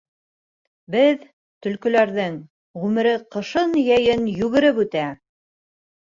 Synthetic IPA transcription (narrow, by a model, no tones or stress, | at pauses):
bɘð | t̪ɵ̆lkɵ̆læɾðɘŋ | ʁʉmɘ̆ɾɘqɤ̆ʃɤnjæjɘnjʉɣɘ̆ɾɘpʉt̪æ